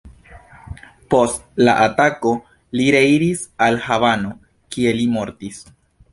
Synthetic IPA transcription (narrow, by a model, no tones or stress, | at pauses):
po̞stla̰ʔatako̞ | liɾeiɾisalhavano̞ | kie̞limo̞ɾtis